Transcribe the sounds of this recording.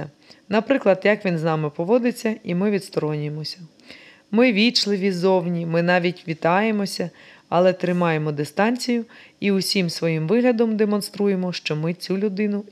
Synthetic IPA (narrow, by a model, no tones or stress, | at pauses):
ɐ | nɐpɾɪklˠɐd̪jɐkʋʲinznɑmɪpɔʋɔd̪ɪt͡sʲːɐimɪʋʲid̪st̪ɔɾɔnʲjemɔsʲɐ | mɪʋʲit͡ʃlˠɪʋʲizɔwnʲimɪnɑʋʲitʲʋʲit̪ɑje̞mɔsʲɐ | ɐlˠɛt̪ɾɪmɑje̞mɔd̪ɪst̪ɑnʲt͡sʲijʊiʊsʲimsʋɔjimʋɪɦlʲɐd̪ɔmd̪emɔnst̪ɾuje̞mɔʃt͡ʃɔmɪt͡sʲulʲʊd̪ɪnʊ